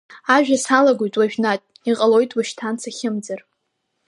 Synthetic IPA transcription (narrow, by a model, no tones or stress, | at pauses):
aʒᶣasalaɡʷojtʼwaʒᶣnatʼ | iqʼalo̞jtʼwaʃtʰant͡sʰaχʲɪmd͡zar